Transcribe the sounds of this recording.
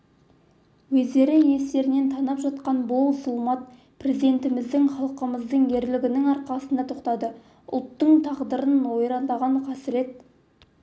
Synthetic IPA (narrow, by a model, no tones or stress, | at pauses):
wɵzd̪e̞ɾɪje̞st̪e̞ɾɪne̞nt̪ʰɑnɑpʒɑt̪qɑnbolˠsʊlˠmɑt̪̚ | pre̞zid̪e̞nt̪ɪmɪzd̪ɪŋχɑlˠqəməzd̪əɴje̞ɾlɪɡʲɪnɪŋɑɾqɑsənd̪ɑt̪ʰoqt̪ɑd̪ə | ʊ̰lˠt̪ːəɴt̪ʰɑʁd̪əɾənwo̞jɾɑnd̪ɑʁɑɴqʰɑsɪɾe̞t̪